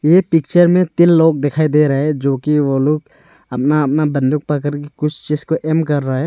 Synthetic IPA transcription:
ɛpik̚t͡ʃəɾmɛ̃t̪ilːok̚d̪ɛkʰajd̪eɾaɦɛd͡ʒokioluk | ɐp̚naːp̚nabɐnd̪ʱuk̚pak̬əɾkikʊt͡ʃʰt͡ʃizkoʔɛmkəɾːaɦɛ

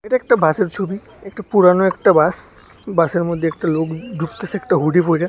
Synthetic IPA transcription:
ejʈaek̚ʈabʱaseɾt͡ʃʰobi | ek̚ʈapuɾanoekʈabas | baseɾmod̪ʱːeek̚ʈalokd̪ʱukt̪esek̚ʈaɦuɖipojɾa

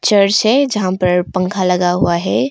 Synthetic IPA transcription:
t͡ʃəɾsɛd͡ʒəɦãpəɾpə̃ŋkʰaləɡaɦuaɦɛ

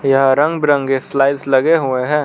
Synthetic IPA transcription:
jɐɦɾɐ̃ŋɡbɾə̃ŋɡeslaːɪslɐɡeɦʊeɦɛ̃ː

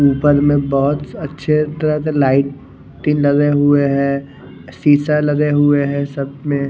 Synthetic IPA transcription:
uːpəɾmẽbɔɦʊt̪ɐtːʃʰet̪ɐɾəɦselaːɪʈ̪̚ː | ĩnlɐɡeɦʊeɦɛ̃ː | siːsalɐɡeɦʊeɦɛ̃sɐb̚mẽ

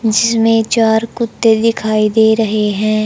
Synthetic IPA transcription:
d͡ʒɪsmẽt͡ʃaːɾkʊt̪ːed̪ɪkʰaːid̪eːɾɐɦeɦɛ̃ː

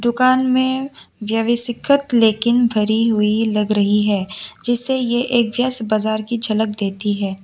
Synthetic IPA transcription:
d̪ʊkaːnmẽʋjɐʋɪsɪkʰət̪leːkɪnbʱɐɾiɦuilɐɡɾɐɦiɦɛːd͡ʒɪsːejeʔeːkʋjəsbaːzaːɾkid͡ʒʱɐlək̚d̪eːt̪iɦɛː

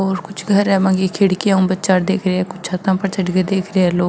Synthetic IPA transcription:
ɔːɾkʊt͡ʃʰɡʱəɾɛːmãːŋɡiːkʰeːɽkijãːũːbətːt͡ʃaːɽd̪eːkʰɾeɛːkʊt͡ʃʰat̪ãːpəɾt͡ʃəɖkeːd̪eːkʰɾeːɛːloː

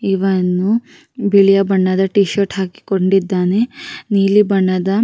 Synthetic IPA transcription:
iʋɐnːu | biɭijɐbɐɳːɐd̪ɐʈiːʃɐɾʈɦaːki̥koɳɖid̪ːaːne̞niːlibɐɳːɐd̪ɐ

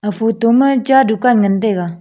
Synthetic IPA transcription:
afot̪oməd͡ʒadukaŋənt̪eɡa

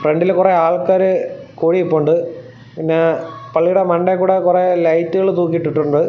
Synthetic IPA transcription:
freɳɖilkureaːɭkaːɾɨkuːɻiipːoɳɖɨ | pinːe̞pɐɭːijuɽemɐɳɖekːuːɽekurelɐjtːuɣɐɭt̪uːk̬ːiʈːiʈːuɳɖɨ

